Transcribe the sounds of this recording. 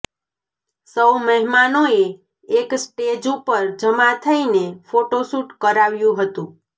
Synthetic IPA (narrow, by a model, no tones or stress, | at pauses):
səwməɦimanoe | eksʈed͡ʒupəɾd͡ʒəmat̪ʰəinefoʈosuʈkəɾaʋjũɦət̪ũ